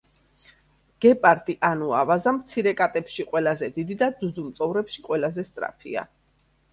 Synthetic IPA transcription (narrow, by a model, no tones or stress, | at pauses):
ɡ̥ɛpʼaɾt̪ʼiʔanuavazamt̪sʰiɾɛkʼat̪ʼɛpʃiqʼwɛlazɛd̪id̪id̪ad̪zuzumt̪sʼɔvɾɛpʃiqʼwɛlazɛst̪sʼɾa̰pʰḭa̰